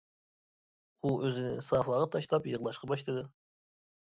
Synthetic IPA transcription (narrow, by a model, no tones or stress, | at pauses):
uʔøzɪnɪ̰sɑːfɑʁɑt̪ʰɑʃlˠɑpjəʁlˠɑʃqɑbɑʃt̪ɨd̪ɨ